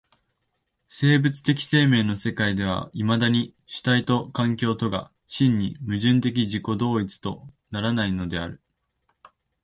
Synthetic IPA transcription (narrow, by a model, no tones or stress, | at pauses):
se̞ːbɯ̟t͡sɨ̥t̪e̞kʲi̥se̞ːme̞ːno̞se̞kaid̪e̞β̞a̰imad̪aɲ̟i | ɕi̥t̪ait̪o̞kãŋkʲo̞ːt̪o̞ɡa̰ | ɕĩɲ̟ːḭmɯ̟ʑɨ̃nt̪̬e̞k̬ʲiʑiko̞d̪o̞ːit͡sɨ̥t̪o̞naɾanaino̞d̪e̞a̰ɾɯ̟